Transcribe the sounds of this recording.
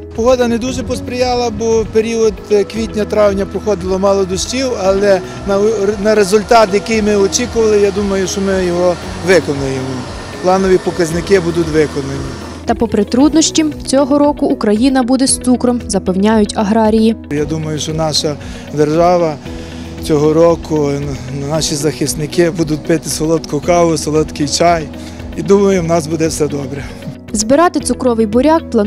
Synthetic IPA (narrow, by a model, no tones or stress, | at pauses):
pɔɦɔd̪ɐned̪uʒɛpɔspɾʲɪjɑlˠɐbɔpeɾʲiɔd̪kʋʲitʲnʲɐt̪ɾɑʋnʲɐpɾɔxɔd̪ɪlˠɔmɑlˠɔd̪ɔʃʲtʲiwɐlˠɛ | nɐnɐɾezʊlʲt̪ɑt̪jɐkɪjmɪɔt͡ʃʲikʊʋɐlˠɪjad̪umɐjʊʃt͡ʃɔmɪjɔɦɔ | ʋɪkɔnʊjemɔ | plˠɑnɔʋʲipɔkɐznɪkɪbud̪ʊtʲʋɪkɔnʊmʲi | t̪ɐpɔpɾɪt̪ɾud̪nɔsʲtʲimt͡sʲɔɦɔɾɔkʊːkɾɐjinɐbud̪ɛst̪sukɾɔmzɐpewnʲajʊtʲɐɦɾɑɾʲijijad̪umɐjʊʃt͡ʃɔnɑʃɐ | d̪erʒɑʋɐ | t͡sʲɔɦɔɾɔkʊnɑʃizɐxɪst̪nɪkɪbud̪ʊt̚ʲpɪt̪ɪsɔlˠɔt̪kʊkɑʋʊsɔlˠɔt̪kɪjt͡ʃɑj | id̪umɐjʊwnɑsbud̪ɛwsɛd̪ɔbɾɛ | zbɪɾɑt̪ɪt̪sʊkɾɔʋɪjbɔɾʲak̚plˠɐ